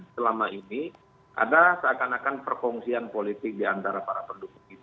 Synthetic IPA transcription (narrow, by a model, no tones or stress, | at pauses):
səlamaini | ʔa̰dasəakanakanpərkɔŋsianpolit̪ɪk̚diant̪aɾapaɾapəndukuŋit̪u